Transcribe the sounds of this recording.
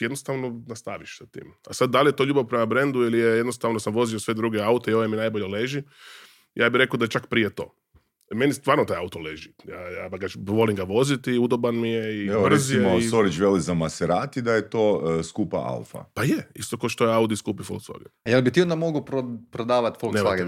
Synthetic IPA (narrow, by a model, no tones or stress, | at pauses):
jed̪nost̪aʋnonast̪aʋiʃsat̪ḭːmasad̪̚d̪alije̞t̪o̞ːʎuːbaʋpɾemabɾend̪uilijejed̪nost̪aʋnosamʋo̞ziosʋe̞d̪ɾuɡeaut̪eio̞ʋeminajboʎeleʒi | jaːbiɾe̞kod̪aet͡ʃakpɾijet̪o̞̰ː | me̞nist̪ʋaːɾnot̪ajaut̪oleʒijajaaɡaʋo̞liŋɡaʋo̞zit̪iud̪obanmijeiebr̩zijeosoɾit͡ʃʋelizamaseɾaːt̪id̪ajet̪oːskupa̰ʔa̰lfa̰pajeḭst̪o̞koʃt̪ojeaud̪iskuːpifo̰lksla̰ɡḛjelbit̪iond̪amoɡuɾopɾod̪aːʋat̪folnemaɡ̪e